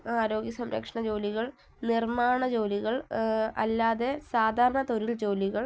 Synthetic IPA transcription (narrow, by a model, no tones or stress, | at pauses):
aːɾo̞ːɡjɐsɐmɾɐ̰kʂɐɳɐd͡ʑo̞ːliɣɐɭ | nirmaːɳɐd͡ʑo̞ːliɣɐɭɐ̰lːaːðe̞saːd̪ʱaːɾɐɳɐt̪oɾild͡ʑo̞ːliɣɐɭ